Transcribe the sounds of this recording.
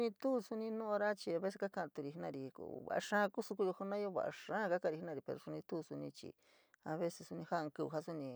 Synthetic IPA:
nĩ˧t̪u˦˧su˧nĩ˧nõ˦ʔɾa˦t͡ʃi˧a˧βe˦s̬e˧ka˦ka˧ʔt̪u˧ɾi˧˨i˦nã˧ɾi˨kβa̰˨ʔa˧ʂã˦˧ku˦su˧ku˧jo˧hu˧nã˦jo˦βa̰˧ʔa̰˧ʂã˦˧ka˦kã˧ɾi˧i˦nã˧ɾi˧pe˧ɾo˧su˧nĩ˧t̪u˦˧su˧nĩ˧t͡ʃḭ˨˧ | a˧βe˦se˧su˧nĩ˧ha˦˧ŋku˧βu˧ɦa˦su˦nĩ˧

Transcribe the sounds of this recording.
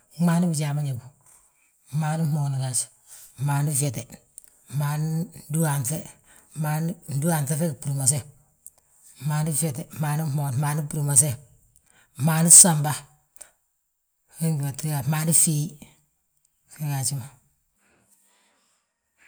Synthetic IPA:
maː˨˦ni˦bi˨d͡ʒa˨ma˦ɲe˨bu˨ | maː˨ni˦moː˨ni˨la˨t͡ʃ | maː˨ni˦fe˨te˨ | maː˨ni˦du˦a˨nθe˦ | maː˨ni˦n˦du˦a˨nθe˦fe˦kpuɾu˨ma˨s̬e˦ | maː˨ni˦fe˨te˨ma˨ni˦mo˨n˨maː˨ni˦pu˨ɾu˨ma˨s̬e˦ | maː˨ni˦sa˨mba˦ | ke˦ŋɡi˨wa˨ti˦a˨maː˨ni˦fi˦ | fe˦ka˨t͡ʃi˦ma˨

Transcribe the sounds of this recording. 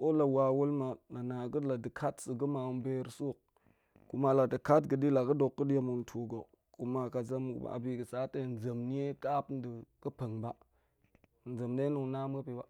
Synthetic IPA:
ko˦la˨wa˨wu˦lma˨na˨na˨ɡə˦la˨də˨kʰa˦tsə˨ɡə˦ma˨˦m˦be˦ɾsu˦˨k̚ | ku˨ma˦la˨də˨ka˦tɡə˨di˦la˨ɡə˦do˨kːə˦dja˦mu˨n˨tʰu˨ɡo˨ | ku˨ma˨ka˨za˦m̰˦˨a̰˨bi˨ɡə˨sa˨˦te˦˨n˨za˨mni˦je˦ka˦pn˦di˨ɡə˦pə˨ŋba˦˨ | n̩˨za˨mde˦nu˨ŋ˨na˦m˦ɡə˦pi˨ba˨

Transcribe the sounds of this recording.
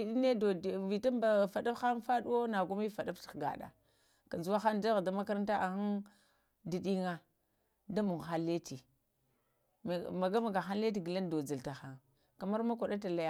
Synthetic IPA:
i˨ɗi˦ne˦do˨vi˨ta˦mba˨fa˨da˦xa˦nfa˦ɗu˦wo˦na˨ɡu˦mi˦fa˨da˦fti̥˨ɡa̰˨ɗa̰˨ | ka˨nza˦xa˦nda˦ɣa˨da˦ma˦ka˦ɾta˦ʔa˨xa˦n | di˨ɗi˦ŋa˦ | da˦mu˨ŋ˨xa˦le˦ti˨ | m˨ma˨ɡa˦ma˨ɡa˨xa˦n˦le˦t̬i˨ɡi˨la˦ndo˨d͡za˨lta˨xa˦ŋ | ka˨ma˦ɾma˦kʷa˨ɗa˦t̬a˨la˦ja˦

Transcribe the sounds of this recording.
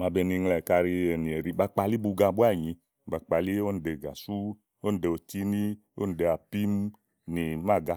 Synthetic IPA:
ma˧be˧˨ni˧ŋlɛ˨ka˧ɾi˧e˨ni˨e˨ɾi˨˧ba˧k͡pa˧li˦bu˧ɡa˧˨bu˦a˦˨ɲĩ˨˧˦ | ba˧k͡pa˧li˦o˦ni˨de˧˨ɡa̰˨su˦ | o˦n˨de˧o˧t͡ʃi˦ni˦ | o̰˦ni˨de˧a˨pi˦m | ni˨ma˦˨ɡa˧

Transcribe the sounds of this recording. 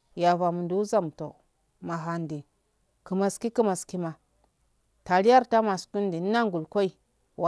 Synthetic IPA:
ja˨va˨mu˨ndu˨u˦za˦m˨to˨ | ma˨ɦa˨ndi˨ | kə˨ma˨ski˦ki˦ma˨ski˦ma˨ | ta˨li˦ja˦ɾta˦ma˨sku˦n˦di˨n˦na˦ŋɡu˨lkʷo˦i˨ | wa˨

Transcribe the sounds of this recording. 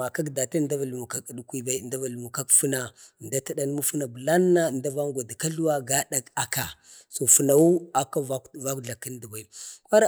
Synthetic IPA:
a˨ka˦kda˨ta˦nda˦va˨lmu˨ka˦ki˨ɗu˨kʷi˦ba˨˦˨nda˦va˨lmu˨ka˦kfu˦na˨ | nda˦ta˦ɗa˦n˦mu˦fə˦na˨bə˨la˦nːa˦˨nda˦va˦ŋɡʷa˨da˨ka˦ɬu˦wa˦ɡa˦ɗa˨ka˨ka˨ | so˨fu˨na˨wu˦a˨ka˦va˦˨va˦kɮa˨kːi˦ndi˨ba˨i˨kʷa˦ɾa˦

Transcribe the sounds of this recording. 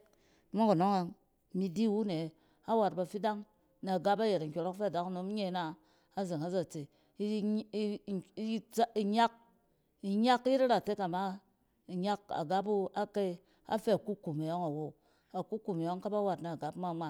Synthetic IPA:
mo˦ku˨no˦ŋa˨ | mi˧di˦wu˦ne˨ | a˦wa˨t̚ba˨fi˦da˦ŋ | na˨ɡa˦pa˦je˨ɾa˨ŋ̩˨kʲo˨˧ɾo˦kfe˦˨da˨kno˨˦m˦ɲe˦naː˦ | ze˨ŋa˨˦za˨t͡se˨˦ | i˨ɲa˦k̚ | i˨ɲa˦kji˦ta˦ɾa˨te˦ka˨ma˦ | i˨ɲa˦k̚a̰˨ɡa˦p̬u˦a˦ke˦ | a̰˦fe˦a˨ku˦ku˨me˨jo˦ŋa˨wo˦ | a˨ku˦ku˨me˨jo˦ŋka˦pa˦wa˨tna˨ɡa˦pma˦mʷa˨

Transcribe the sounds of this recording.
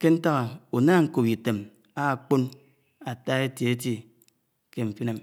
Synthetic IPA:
ke˦n̩˦ta˦ɣa˨o˨naː˦ŋ̩˦˨ko˨pi˨te˨m | a˦˨k͡po˦n | a˨ta˦e˦tje˨e˦ti˦ | ke˦ɱ̩˨fi˦ne˨m

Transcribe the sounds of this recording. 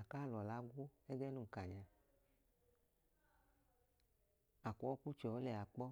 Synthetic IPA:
a˨ka˦˨lɔ˨la˨˦ɡʷo˦ɛ˦ɡɛ˦nu˦˨ŋ̩˨ka˨ɲa˨ | a˨kʷɔ˨˦ku˦t͡ʃɔ˨ɔ˨˦lɛ˨a˨k͡pɔ˦

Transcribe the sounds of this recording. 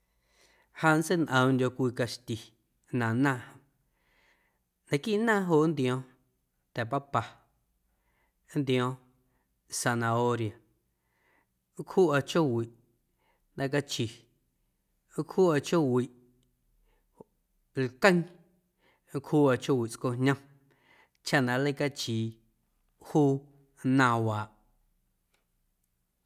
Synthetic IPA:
ha˧n˦se˦nʔə̃˧˨˧ndʲo˧kʷiː˧ka˧ʃt̪ʲi˨ | nã˨nã˦˧ʔhã˧ | nã˨ki˦˨ʔnãː˦˨ɦo˧ʔnd̪j̃õ˧ | t̪ɛ˨pa˦pa˧˦ | nd̪j̃õ˧ | sa˧nã˧o˧ɾja˨˦ | khuː˦a˧t͡ʃo˦wi˨ʔ | d̪ã˧k̬a˧t͡ʃi˨˦ | khuː˦a˧t͡ʃo˦wi˨ʔ | lkə̃˦ŋ˦ | khuː˦a˧t͡ʃo˦wi˨t͡sko˧hɲã˧ | t͡ʃa˦nã˧lə˦ka˧t͡ʃiː˨ | huː˦ | nãː˧waː˨ʔ

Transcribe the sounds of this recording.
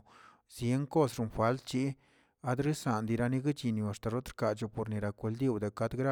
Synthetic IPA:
zje˧˦ŋko˦sɾu˧nfa˦ld̪t͡ʃi˦ | a˧˦d̪ɾi˦sa˨nd̪i˧ɾa˧ni˧ɡi˦t͡ʃi˧˨nju˧a˨ʂt̪a˨ɾo˦t̪ɾka˨t͡ʃo˧po˨ɾni˨ɾa˨kʷe˧ld̪i˦˨wd̪a˨ka˧˦d̪ɡɾa˦˧

